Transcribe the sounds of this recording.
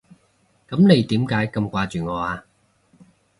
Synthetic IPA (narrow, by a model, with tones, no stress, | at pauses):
kɐ˨˥mne˨˧jt̪iː˨˥mkaː˨˥jkɐ˧mkʷaː˧t͡ʃyː˨ŋɔː˨˧aː˧